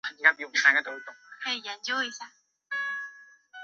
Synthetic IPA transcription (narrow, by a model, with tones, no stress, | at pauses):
ji˨˥kaː˥pi˧˥˨sa˧ŋka˥t̪o˧wt̪ʊ˨˩ŋkʰə˧˥˩i˨˩jɛ˨˧˥nt͡ɕjo˧˥ʊi˧˥ɕja˥˩